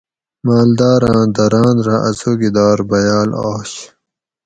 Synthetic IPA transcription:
maːld̪aːɾãːd̪ɐɾãːnɾaʔɐ̰zoːɡid̪aːɾbɐjaːla̰ːɕ

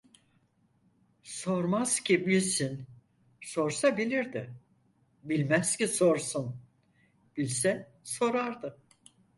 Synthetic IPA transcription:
soɾmaz̥cʰibilʲsin | so̞ɾsabilʲiɾd̪ɪ | bilʲmæz̥ciso̞ɾsun | b̥ilʲsɛ | so̞ɾaɾd̪ɯ

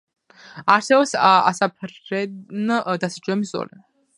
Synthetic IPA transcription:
aɾsɛbɔpsa̰sapʰɾɛnd̪asid͡ʒʼwɛmiszɔ̰lɛ

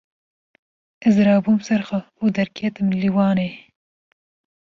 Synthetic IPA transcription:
ɪzɾɑːbumsaɾxa | od̪aɾkijat̪əmliwɑːne

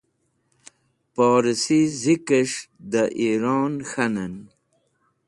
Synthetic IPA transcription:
poːɾisizikəʂd̪əʔiɾɑːnxanan

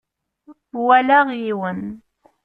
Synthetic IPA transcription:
wælaʁiwən

